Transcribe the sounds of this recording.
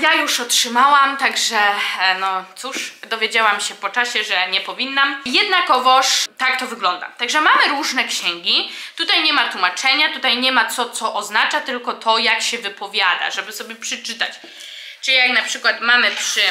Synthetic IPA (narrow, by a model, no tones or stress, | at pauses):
jajuʂɔtʂɘmawamt̪aɡʐɛnɔt̪suʂd̪ɔvʲjed͡ʑawamɕɛpɔt͡ʂaɕɛʐɛɲɛpɔvʲinːamjɛd̪nakɔvɔʂt̪akt̪ɔvɘɡlɔnd̪a̰t̪aɡʐɛmamɘɾuʐnɛkɕɛŋɡʲit̪ut̪ajɲɛmat̪wumat͡ʂɛɲat̪ut̪ajɲɛmat̪sɔt̪sɔʔɔznat͡ʂat̪ɘlkɔt̪ʰɔjakɕɛvɘpɔvʲjad̪a̰ʐɛbɘsɔbʲjɛpʂɛt͡ʂɘt̪a̰t͡ɕ | t͡ʂɘlʲijaknapʂɘkwat̪mamɘpʂɘ